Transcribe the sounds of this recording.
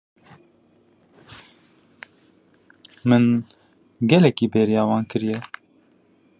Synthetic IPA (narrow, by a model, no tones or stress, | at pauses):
mɨn | ɡɛlɛkiːbeːɾijɑːwɑːnkɨɾijɛ